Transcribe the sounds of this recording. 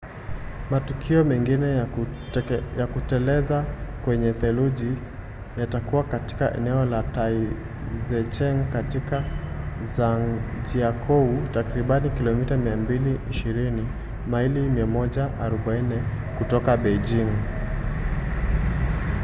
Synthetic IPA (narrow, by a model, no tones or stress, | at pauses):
matukʰiɔmɛŋɡinɛ | jakutɛlɛzakwɛɲɛθɛluʄi | jatakuwakati̥kaʔɛ̰nɛɔlatai | zɛt͡ʃɛŋkatikazaŋd͡ʒiakʰɔutakɾiɓanikilɔmitamiambiliʔiʃiɾini | mailimiamɔʄaʔaɾɔɓainɛ | kutɔkaɓɛjd͡ʒiŋ